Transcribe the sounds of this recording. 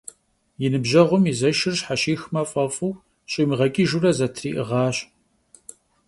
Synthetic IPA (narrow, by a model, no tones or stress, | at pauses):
jɪnɨbʒɐʁʷʊmizɐʃɪrɕħaɕiːxmɐfʼɐfʼuw | ɕʼiːmɨʁɐkʼiːʒurɐzɐtʰriːʔɨʁɑːɕ